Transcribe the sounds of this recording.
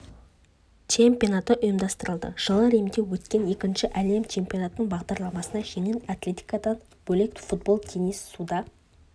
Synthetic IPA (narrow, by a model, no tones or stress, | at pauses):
t͡ʃʰe̞mpʲio̞nɑt̪əʔʊjəmd̪ɑst̪əɾəlˠd̪ə̰ʒ̥əlˠəɾemd̪e̞wɵt̪kʲe̞ne̞kʲɪnʃɪʔæle̞mt͡ʃʰe̞mpʲijo̞nat̪ənəɴbɑʁd̪ɑɾlˠɑmɑsənɑʒe̞ŋɪnat̪lʲe̞t̪ʲi̥jkad̪ɑn | b̥ɵlekt̪fut̪̚bo̞lˠt̪ʲʰe̞nisːud̪ɑ